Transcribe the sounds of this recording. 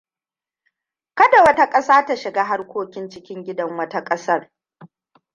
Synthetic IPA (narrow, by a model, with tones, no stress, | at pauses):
kɐ˦da˨wɐ˦ta˦kʼɐ˦saː˦ta˦ʃɪ˨ɡaː˦ɦa˦rkʷoː˦kʲɪ˦nt͡ʃɪ˦kʲɪ˦ŋɡʲɪ˦dɐ˦ŋwɐ˦ta˦kʼɐ˦sɐ˦r